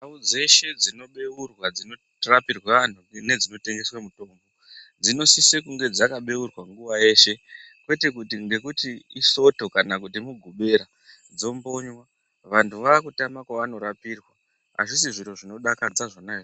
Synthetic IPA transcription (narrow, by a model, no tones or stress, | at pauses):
naud͡ze̞ʃe̞d͡zino̞ɓe̞urwad͡zino | rapirwaan̤une̞d͡zino̞te̞ŋɡe̞swamuto̞ːmbo̞ | d͡zino̞sisekuŋɡe̞d͡zakaɓe̞urwaŋɡuʋaje̞ʃe̞ | kwe̞te̞kutiŋɡe̞kutiiso̞to̞kanak̬utimuɡʱuɓe̞ɾa | d͡zo̞mbo̞ɲwa | ʋantʰuʋaːkutamakwaʋano̞ɾapiːrwa | a̰ʐisiʐiɾo̞ʐino̞ɗakad͡zaʐanae